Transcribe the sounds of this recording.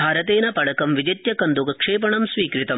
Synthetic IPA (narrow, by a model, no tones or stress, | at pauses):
bʱaːɾɐt̪eːnɐpɐɽɐkɐmʋid͡ʒɐt̪jɐkɐnd̪ukɐkʂeːpɐɳɐmsʋiːkɾit̪ɐm